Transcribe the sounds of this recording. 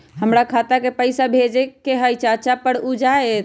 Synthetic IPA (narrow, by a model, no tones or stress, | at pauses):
ɦəmɾakʰat̪akepəɪsabʱed͡ʒekeɦəjt͡ʃat͡ʃapəɽud͡ʒaet̪